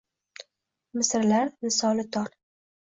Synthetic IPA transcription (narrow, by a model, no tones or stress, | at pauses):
mɪsɾlaɾnɪsɒlɪt̪ʰɒɾ